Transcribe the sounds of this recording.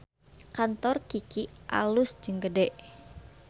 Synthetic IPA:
kant̪ɔrkikiʔa̰lʊsd͡ʒɨŋɡədɛʔ

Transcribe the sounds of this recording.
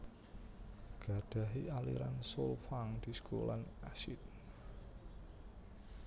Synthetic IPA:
ɡ̥a̤d̪̥a̤ɦialḭɾa̰nsolfaŋd̪̥i̤skʰolanasit̪̚

